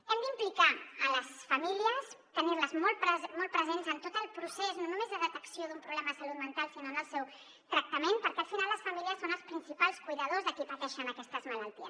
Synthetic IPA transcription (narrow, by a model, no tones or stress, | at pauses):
ɛmd̪implikaələsfəmiliəs | t̪əniɾləzmɔlˠt̪pɾəzmɔlˠt̪pɾəzenzənt̪ot̪əlˠpɾuseznonumezðəðət̪əksioðumpɾuβlɛməðəsɐlut̪̚mənt̪alˠsinonəlˠsɛw | t̪ɾək̚t̪əmenpəɾkɛəlˠfinalˠəsfəmiliəsonəlˠspɾinsipalˠskujðəð̞ozðəkipət̪ɛʃənəkɛst̪əzmələlˠt̪iə